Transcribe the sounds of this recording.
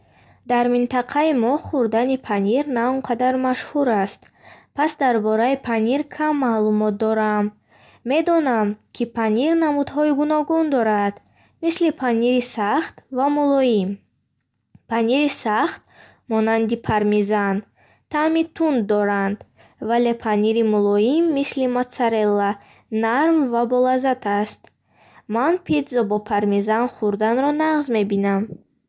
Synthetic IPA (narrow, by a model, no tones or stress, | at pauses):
d̪aɾmint̪ʰaqʰaimɔχuɾd̪anipʰaniɾnauɴqʰad̪aɾmaʃhuɾast̪ | pʰasd̪aɾbɔɾaipʰaniɾkʰamːalumɔt̪̚d̪ɔɾamː | e̞d̪ɔnamkʰipʰaniɾnamud̪ɦɔiɡunɔɡund̪ɔɾad̪̥ | mislipʰaniɾisaχt̪vamulɔjim | pʰaniɾisaχt̪̚ | mɔnand̪ipʰaɾmizan | t̪ʰamit̪ʰund̪ɔɾand̪ | vale̞pʰaniɾimulɔimːislimat̪saɾelːa | naɾmvabɔlazat̪ʰast̪ | manpʰid̪zɔbɔpʰaɾmizanχuɾd̪anɾɔnaʁzme̞binam